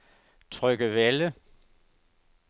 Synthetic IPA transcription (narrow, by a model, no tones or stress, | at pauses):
t͡sʰʁœɡ̥əʋelə